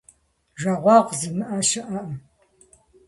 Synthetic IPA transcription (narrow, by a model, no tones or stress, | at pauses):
ʒaʁʷɑːʁʷzɨmɨʔɐʃɐʔɐʔ